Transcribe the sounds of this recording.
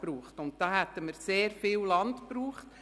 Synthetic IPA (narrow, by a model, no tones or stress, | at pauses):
pɾuːχtʊnt̚d̥ɑːhæt̪ːəməɾseːɾfiːwlɑntpɾuːχt